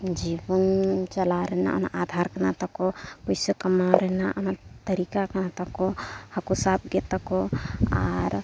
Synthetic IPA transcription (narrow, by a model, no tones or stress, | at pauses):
d͡ʒibənt͡ʃəlaɾɛɦna̰ʔɔ̰na̰ʔad̪ʱaɾkənat̪əkopɔjsəkəmaɾɛnaʔɔ̰nat̪əɾikakənat̪əkohəkusab̚ɡet̪əkoa̰ɾ